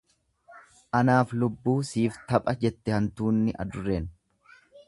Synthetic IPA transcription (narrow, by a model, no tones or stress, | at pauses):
ʔɐnaːflʊbːuːsiːft̪ɐpʼɐd͡ʒɛt̪ːɛhɐnt̪uːnːɪʔɐ̰d̪ʊrːeːn